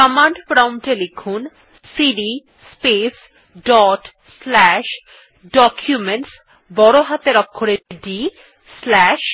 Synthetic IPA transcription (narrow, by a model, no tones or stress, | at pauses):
kamaɳɖpɾawmʈelekʰun | siɖi | spes | ɖɔʈ | slɛʃ | ɖɔkʰjumeɳʈs | bɔɾoɦat̪eɾɔkʰːoɾeɖi | slɛʃ